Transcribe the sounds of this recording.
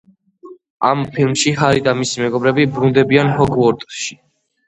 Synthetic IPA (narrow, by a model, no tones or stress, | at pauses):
ampʰilˠmʃiɦaɾid̪amisimɛɡɔbɾɛbibɾund̪ɛbianhɔɡʰwɔɾt̪ʼʃi̥